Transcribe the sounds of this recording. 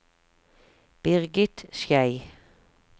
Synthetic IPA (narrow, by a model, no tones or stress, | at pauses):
b̥ɪʁɡɪt̪ʃjæɪ